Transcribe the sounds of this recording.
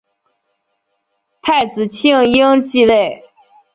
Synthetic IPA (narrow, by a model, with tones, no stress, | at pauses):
t̪ʰa˥˩ɪt͡sɹ̩˨˩t͡ɕʰi˥˧ŋi˥ŋt͡ɕi˥˧we˥˩ɪ